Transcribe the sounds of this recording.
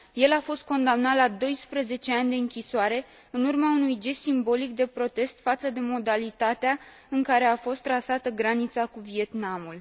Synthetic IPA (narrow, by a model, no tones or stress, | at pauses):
je̞lafo̞st̪̚ko̞nd̪amnat̪lad̪o̞jspɾəze̞t͡ʃe̞anʲd̪e̞ɨŋkʲisoaɾe̞ | ɨnurmaunujd͡ʒe̞simbo̞lik̚d̪e̞pɾo̞t̪e̞st̪fat̪səd̪e̞mo̞d̪alit̪at̪ea | ɨŋkaɾe̞afo̞st̪ːɾasat̪əɡɾanit̪sakuvie̞t̪namul